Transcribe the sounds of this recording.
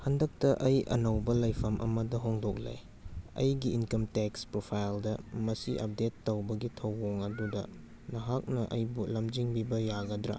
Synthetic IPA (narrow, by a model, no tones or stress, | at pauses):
hɐndɐk̚tɐʔɐjɐ̰nɐwbɐlɐjpʰɐmʔɐ̰mɐdɐɦoŋdok̚lḛj | ɐ̰jɡiːnkɐmtekspɾopʰajldɐmɐsiʔɐ̰p̚detːowbɐɡitʰɐwːoŋɐdudɐ̰ | nɐɦak̚nɐʔɐjbulɐmd͡ʒiŋbibɐjaɡɐdɾa̰